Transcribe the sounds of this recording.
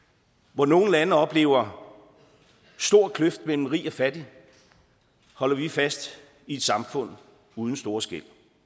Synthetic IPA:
ʋɒno̝ːn̩lænəɒ̽b̥le̝̰ːʊɐ | sd̥o̝ɐ̰kʰløfd̥mel̰m̩ʁḭːɒ̽fæd̥i | hɒ̽lɐʋifæsd̥ | ie̝d̥sɑ̈mfɔ̽n̰ | uð̞ˠn̩sd̥o̝ːɐsɡ̥el̰

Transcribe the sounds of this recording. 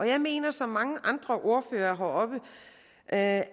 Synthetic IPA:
ʔɒ̽jɑ̈ɪme̝̰ːnɐsɒ̽mːɑ̈ŋəʔɑ̈nd̥ʁɐʔo̝ɐføːɐɦɑɒ̽b̥ə | ʔ

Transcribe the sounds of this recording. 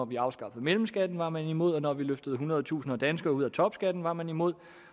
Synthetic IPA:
ɒʋiɑ̈ʊsɡ̥ɑ̈fəð̩ˠmelm̩sɡ̥æd̥n̩ʋɑ̈mænimo̝ð̞̰ˠɒ̽nɒʋiløfd̥əð̞̩ˠɦunɐðˠt͡sʰṵːsn̩ɒd̥ænsɡ̥ɐːuðˠæt͡sʰɒ̽b̥sɡ̥æd̥n̩ʋɑ̈mænimo̝ð̞̰ˠ

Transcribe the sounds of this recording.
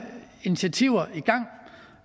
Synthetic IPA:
init͡sʰæt͡sʰiʊ̰ɐiɡ̥ɑ̈ŋ̰

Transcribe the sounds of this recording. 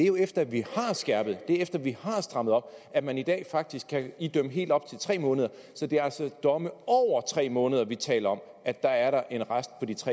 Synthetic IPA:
deɐjo̝efd̥ɐʋihɑ̈sɡ̥æɐb̥ð̩ˠd̥e̝efd̥ɐʋihɑ̈sd̥ʁɑ̈m̰ð̩ˠɒ̽b̥æ̥mænid̥ɛ̰ːfɑ̈ɡ̥̚d̥isɡ̥kʰːæid̥øməɦe̝̰ld̥ɒ̽b̥̚t͡sʰe̝lt͡sʰʁɛ̰ːmɔ̽ːnəð̞ˠɐ | sɒ̽d̥e̝ælsɒd̥ɒ̽məɒʊ̰ɐt͡sʰʁɛ̰ːmɔ̽ːnəð̞ˠɐʋit͡sʰɛ̰ːlɐɒ̽m | æ̥ɑ̈æɐɾɑ̈ʔe̝nʁasd̥̚pʰɒ̽d̥it͡sʰʁɛ̰

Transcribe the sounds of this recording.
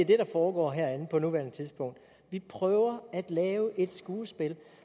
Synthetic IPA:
deæɐd̥e̝ɾɑ̈fɒːɡ̥ɒ̰ːɦæɐænð̩ˠpʰɒnuʋæɐnət͡sʰiðˠsb̥ɔ̽ŋ̰d̥ | ʋipʰʁœːʊɐæd̥lɛːʊʔe̝d̥sɡ̥uːsb̥e̝l

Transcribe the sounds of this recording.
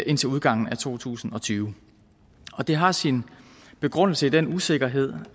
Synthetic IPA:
ʔe̝n̰t͡sʰe̝luð̞ˠɡ̥ɑ̈ŋ̰n̩æt͡sʰo̝̰ːt͡sʰṵːsn̩ɒ̽t͡sʰyːʊ | ɒ̽d̥e̝ɦɑ̈sin | b̥e̝ɡ̥ʁɔ̽n̰l̩səid̥enuse̝ɡ̥ɐɦe̝ð̞̰ˠ

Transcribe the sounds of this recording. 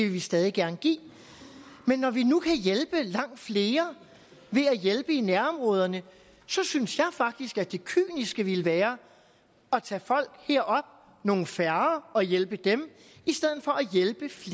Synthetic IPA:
eʋe̝ʋisd̥ɛːðˠiɡ̥æɐnəɡ̥ḭː | menːɒʋinukʰæjelb̥əlɑ̈ŋ̰d̥fle̝ːɐ | ʋe̝æjelb̥əinæɐɒ̽mʁɔ̽ːð̞ˠɐnə | sɒ̽synsjɑ̈ɪfɑ̈ɡ̥̚d̥isɡ̥ædd̥e̝kʰy̰ːnisɡ̥əʋe̝ləʋæːɐ | ɒt͡sʰɛ̰ːfɒ̽l̰ɡ̥heɐ̰ɒ̽b̥̚ | no̝ːn̩fæɐɒ̽jelb̥əd̥em | isd̥eð̞̰ˠð̩ˠfɒ̽ʔæjelb̥əf

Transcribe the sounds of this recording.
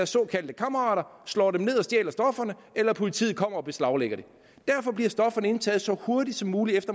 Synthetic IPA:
æɐsːɒ̽ːkʰæld̥əkʰɑ̈mɐʁɑ̰̈ːɾɐslɒ̰ːdemne̝ð̞̰ˠɒ̽sd̥jḛːlɐsd̥ɒ̽fɐnə | elɐpʰo̝lit͡sʰḭːð̩ˠkʰɒ̽m̰ɐɒ̽b̥e̝slɑ̈ʊleɡ̥ɐd̥e̝ | d̥æɐfɒ̽b̥liɐsd̥ɒ̽fɐnəe̝nt͡sʰɛ̰ːð̩ˠsɒ̽ho̝ɐdid̥sɒ̽mːuːliefd̥ɐ

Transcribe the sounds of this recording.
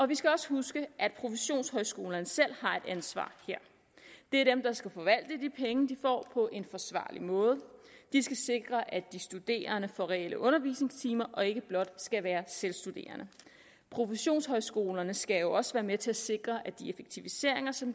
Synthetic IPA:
ɒ̽ʋisɡ̥æɒ̽sə̥husɡ̥əʔæd̥pʰʁo̝fəɕo̝̰ːnshɒ̽ɪsɡ̥o̝ːlɐnəsel̰hɑ̈e̝d̥ænsʋɑ̰̈ːheɐ̰ | d̥e̝æɐd̥emd̥ɑ̈sɡ̥æfɒ̽ʋæl̰d̥əd̥ipʰeŋəd̥ifɒ̰ːpʰɒ̽ʔe̝nfɒ̽sʋɑ̰̈ːlimɔ̽ːð̞ˠd̥isɡ̥æse̝ɡ̥ʁɐʔæd̥isd̥ud̥e̝̰ːɐnəfɒ̽ʁɛelʔəʔɔ̽nɐʋḭːsne̝ŋst͡sʰiːmɐʔɒ̽e̝ɡ̥əb̥lɒ̽d̥sɡ̥æʋæːɐselsd̥ud̥e̝̰ːɐnə | pʰʁo̝fəɕo̝̰ːnshɒ̽ɪsɡ̥o̝ːlɐnəsɡ̥æjo̝ɒ̽səʋæːɐmet͡sʰe̝æse̝ɡ̥ʁɐʔæd̥ie̝feɡ̥̚t͡sʰiʋise̝ɐ̰e̝ŋɐsɒ̽m

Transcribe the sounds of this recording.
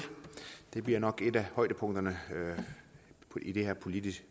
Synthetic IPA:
d̥e̝b̥liɐ̰nɒ̽ɡ̥e̝d̥æhɒ̽ɪ̰d̥əpʰɔ̽ŋ̰d̥ɐnəø | id̥e̝hɛɐpʰo̝lid̥isɡ̥

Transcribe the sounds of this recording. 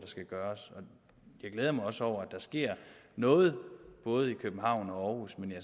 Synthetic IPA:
d̥ɑ̈sɡ̥æɡ̥ɶːɐsɒ̽ | jɑ̈ɪɡ̥leð̞ˠɐmɑ̈ɪɒ̽səɒʊ̰ɐæd̥ɑ̈sɡ̥e̝ɐ̰nɔ̽ːð̞̩ˠb̥ɔ̽ːð̞̩ˠikʰøb̥n̩ɦɑ̈ʊ̰nɒ̽ɒːhusmenjɑ

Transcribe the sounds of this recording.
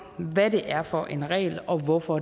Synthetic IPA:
ʋæɾe̝ʔæɐfɒʔe̝nʁɛ̰ːlɒ̽ʋɒfɒ

